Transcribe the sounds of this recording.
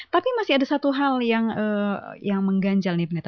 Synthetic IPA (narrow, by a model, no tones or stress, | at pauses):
t̪apimasiadasat̪uɦaljaŋəjaŋməŋɡaɲd͡ʒalnipnat̪